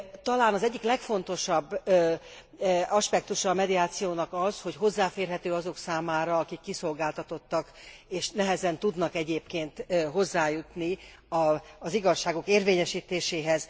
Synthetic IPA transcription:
t̪ɒlaːnɒzɛɟːiklɛkfo̞n̪t̪o̞ʃɒbː | ɒʃpɛk̚t̪uʃɒːmɛd̪iaːt̪sijoːnɒkɒzho̞cɦo̞zːaːfeːrɦɛt̪øːɒzo̞ksaːmaːɾɒːkikːiso̞lɡaːlt̪ɒt̪o̞t̪ːɒkeːʃnɛɦɛzɛnt̪ud̪nɒkɛɟeːpkeːnt̪ɦo̞zːaːjut̪ni | ɒziɡɒʃːaːɡo̞keːrveːɲɛʃiːt̪eːʃeːɦɛz

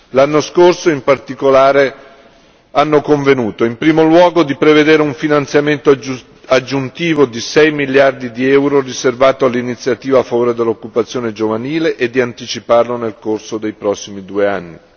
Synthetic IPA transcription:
lanːoskorsoimpart̪ikolaːɾe | anːokoɱvenuːt̪oimpɾiːmolwɔːɡod̪ipɾeved̪eːɾeuɱfinant̪sjament̪o | ad͡ʒːunt̪iːvod̪isɛjmiljard̪id̪iɛwɾoriservaːt̪oalːinit̪sːjat̪iːvaːfːavoːɾed̪elːokːupat̪sːjoːned͡ʒovaniːleʔed̪ːiant̪it͡ʃiparlonelkorsod̪ejpɾɔsːimid̪uːeanːi

